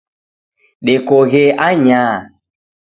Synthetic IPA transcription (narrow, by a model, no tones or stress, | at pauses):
ɗekɔɣeaɲaː